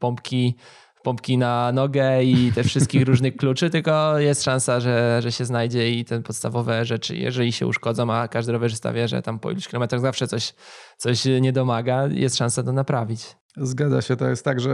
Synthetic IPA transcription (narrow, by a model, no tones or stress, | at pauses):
pɔmpkʲi | pɔmpkʲinanɔɡɛit̪ɛfʂɘst̪kʲixɾuʐnɘxklut͡ʂɘt̪ɘlkɔjɛst̪ʂãnsaʐɛʐɛɕɛznajd͡ʑɛit̪ɛpɔt̪st̪avɔvɛʐɛt͡ʂɘ̰jɛ̰ʐɛlʲiɕɛ̰ṵʂkɔd̪zɔ̃w̃akaʐd̪ɘɾɔvɛʐst̪a̰vʲjɛʐɛ̰t̪ampɔḭlu̥kʲilɔmɛt̪ɾaɣzafʂɛt̪ɔɕt̪sɔɕɲɛd̪ɔmaɡajʔɛ̰st̪ʂãnsat̪ɔnapɾavʲit͡ɕ | zɡad̪za̰ɕɛt̪ɔjɛst̪ːaɡʐɛ